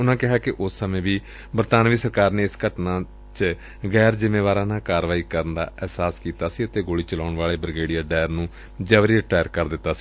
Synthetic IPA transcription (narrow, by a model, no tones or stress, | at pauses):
ʊnãːkɪɦaːkɪʔʊsːəmẽːʋiː | bəɾt̪aːnʋiːsəɾkaːɾneːɪskəʈnãː | t͡ʃ | ɡɛːɾzɪmeːʋaːɾãːnãːkaːɾʋaːiːkəɾənd̪a̰ːʔɛːsaːskiːt̪aːsiːət̪eːɡoːɽiːt͡ʃəlaːʊɳʋaːɭeːbɾəɡeːɽijaːɖɛːəɾnũː | d͡ʒaːʋɾiːɾɪʈaːjəɾkəɾd̪ɪt̪ːaːsiː